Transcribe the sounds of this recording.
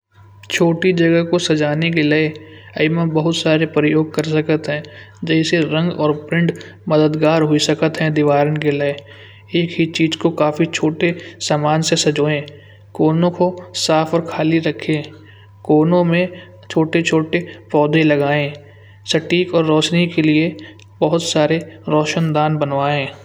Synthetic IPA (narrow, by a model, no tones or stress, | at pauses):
t͡ʃʰoːʈid͡ʒɐɡəɦkosɐd͡ʒaːnek̬elee | ɐɪmə̃bəɦʊt̪saːɾepɾɪjoːɡ̚kəɾsəkət̪ɦɛ̃ | d͡ʒɛːɪseɾə̃ŋɡɔːɾpɾɪ̃ɳɖ | məd̪əd̪ɡaːɾɦʊisəkət̪ɦɛ̃d̪ɪʋaːɾənkelɪe | eːkɦit͡ʃiːzkokaːfit͡ʃʰoːʈesaːmaːnsesɐd͡ʒoːẽː | koːnõkosaːfʰɔːɾkʰaːliɾɐkʰẽː | koːnõmẽ | t͡ʃʰoːʈet͡ʃʰoːʈepɔːd̪ẽlɐɡaːẽː | sɐʈiːkɔːɾːɔːʃnikelie | bɐɦʊt̪saːɾeɾɔːʃənd̪aːnbənʋaːẽː